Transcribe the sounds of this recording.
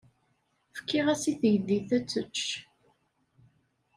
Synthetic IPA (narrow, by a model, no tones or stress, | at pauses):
fə̥kːɪʁæsiθəjðiθæt͡sːət͡ʃː